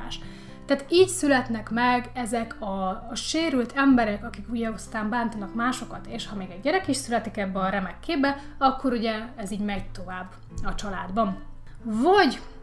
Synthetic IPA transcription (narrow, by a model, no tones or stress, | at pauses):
ʃ | t̪aːt̪iːcsylɛt̪nɛkmɛɡɛzɛkʰɒʃeːɾylt̪ʰɛmbɛɾɛkɒkikuɟɛost̪aːmbaːnt̪ɒnɒkmaːʃo̞kɒt̪eːʃhɒmeːɡɛɟːɛɾɛkiʃsylɛt̪ikɛbːɛɒɾɛmɛkːeːbbɛ | ɒkːo̞ɾuɟɛɛziːɟmɛɟt̪o̞vaːbː | ɒt͡ʃɒlaːd̪bɒn | vɒɟ